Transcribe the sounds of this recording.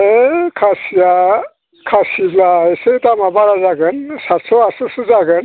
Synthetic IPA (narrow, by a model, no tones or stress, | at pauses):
ekʰasija | kʰasiblaesəjt̪amabaɾad͡zaɡɯnsat̪sʰoasusɨd͡zaɡɯn